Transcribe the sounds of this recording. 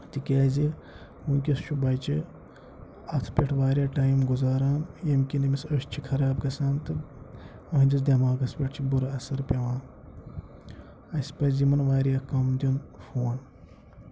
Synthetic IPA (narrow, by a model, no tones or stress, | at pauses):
t̪ikʲeːzi | uŋkʲist͡ʃʰubɐːt͡ʃi | ɐt̪ʰpʲeʈʰʋaːɾʲaːʈaːjmɡuzaːɾaːnjɐmkʲinimisɐʃt͡ʃʰikʰɐɾaːb̚ɡɐsaːnt̪ɨ | ɐɦnʲd͡ʒɐsd̪ʲɐmaːɡɐspʲeʈʰt͡ʃʰibuɾɐɐsɐɾpʲeʋaːn | ɐspɐzimɐnʋaːɾjaːkɐmd̪ʲunfoːn